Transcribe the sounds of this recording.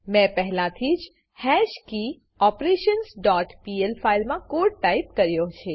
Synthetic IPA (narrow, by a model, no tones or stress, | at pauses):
mɛ̃pɛɦɛlãt̪ʰid͡ʒ | hɛʃki | ɔpɾeʃənsɖɔʈpielfailmãkoɖ̚ʈaip̚kəɾjot͡ʃʰe